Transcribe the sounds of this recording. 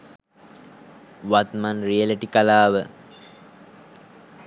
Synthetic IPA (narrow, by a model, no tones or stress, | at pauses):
ʋat̪manrijeleʈikalaːʋə